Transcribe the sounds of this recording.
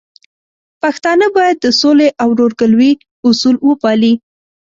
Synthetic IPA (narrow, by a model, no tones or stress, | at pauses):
paxt̪ɑnəbɑjad̪̚ːəsoleʔawɾoɾɡəlwi | ʊsulwəpɑli